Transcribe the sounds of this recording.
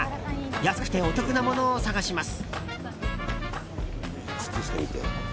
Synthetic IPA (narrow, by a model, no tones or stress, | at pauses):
jasɨ̥k̟t̪e̞o̞t̪o̞kɯ̟namo̞no̞ːsaɡaɕimasɨ̥ | t͡sɨ̥t͡sɨɕi̥t̪eit̪ḛ